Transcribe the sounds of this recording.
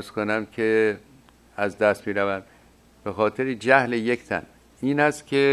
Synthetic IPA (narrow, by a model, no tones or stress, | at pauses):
skonæmkʰe | æzd̪æst̪miːɾævæm | b̥exɒːt̪ʰeɾed͡ʒæhlejekʰt̪ʰæ̰n | iːnæst̪kʲʰe